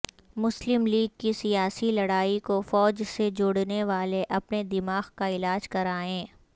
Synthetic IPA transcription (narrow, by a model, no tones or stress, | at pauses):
mʊslɪmliːɡ̚kisijaːsilɐɽaːikofɔːd͡ʒsed͡ʒʊɽneʋaːleʔɐpned̪ɪmaːɣkaɪlaːd͡ʒkɐɾaːẽː